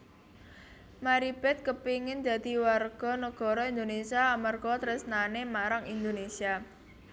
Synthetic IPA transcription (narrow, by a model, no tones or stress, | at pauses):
maɾib̥ɛt̪̚kəpiŋɪnd̪̥ä̤d̪̥i̤warɡ̥ɔ̤nəɡ̥ɔ̤ɾɔind̪onesiaːmarɡ̥ɔt̪ɾɪsnanemaɾaŋind̪onesia